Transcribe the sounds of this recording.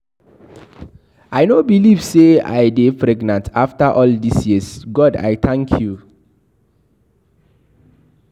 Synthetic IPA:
ajnobilivsea̰jdepɾɛɡnãntʰaftaʔɔldisjisɡɔda̰jθʰãŋkʰju

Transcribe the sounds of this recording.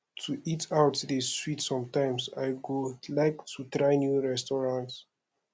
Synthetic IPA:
tʰuʔitawtðəswitsɔ̃mtãɪ̃msajɡolaɪktʰutɾaɪnjuɹɛstɔɹãnts

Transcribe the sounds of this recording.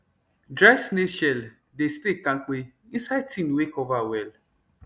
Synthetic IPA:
dɾaɪsneʃɛl | destekãk͡peĩnsaɪtʰĩnwekɔvawɛl

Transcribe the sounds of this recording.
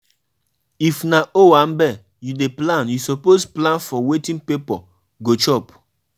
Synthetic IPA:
ifnaʔoãmbɛ | judeplãnjusɔposplãnfɔwetĩnpepɔ | ɡot͡ʃɔp

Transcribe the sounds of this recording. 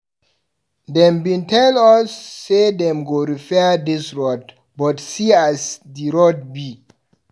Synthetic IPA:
dɛ̃mbĩntʰɛlɔsːedɛ̃mɡoɹifɛdisɹɔd̚ | bɔtsiasdiɹɔd̚bi

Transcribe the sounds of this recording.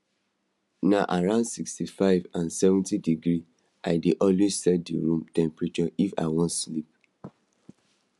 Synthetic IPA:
naʔaɹãʊ̃ndsikstifaɪvãnsɛvɛ̃ntidiɡɹi | ʔaɪdeʔɔ̃lwessɛtdḭɹũmtɛ̃mpɹit͡ʃɔifa̰ɪwɔ̃ntslip

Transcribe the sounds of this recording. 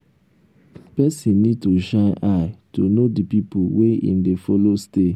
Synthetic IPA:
pɛsĩnːid̚toʃãnaɪtonodipipuweḭ̃ndefɔloste

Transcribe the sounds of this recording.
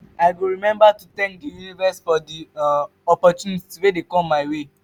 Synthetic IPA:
aɪwiɹimɛ̃mbatut̪ɛ̃ŋk̚dijunivɛsfɔdi | ɔpɔt͡ʃunittiwedekɔ̃mːaɪwe

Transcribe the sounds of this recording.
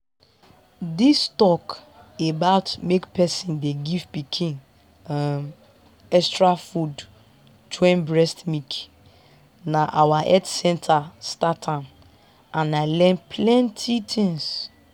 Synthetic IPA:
distɔk | ebaʊtmekpɛsĩndeɡivpikʰĩn | m | ɛstɹafud | twɛ̃nbɹɛstmik | naʔawaʔɛtsɛ̃ntʰastatʰãn | ʔãnaɪlɛ̃npʰlɛ̃ntʰitʰĩŋs

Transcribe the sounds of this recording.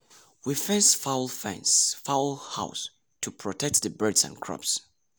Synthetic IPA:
wifɛ̃nsfawlˠfɛ̰̃nsfawlˠha̰ʊs | tʰupʰɹ̥ɔtʰɛk̚t̚ðəbɜ˞dzə̰̃nkʰɹɔ̰ps

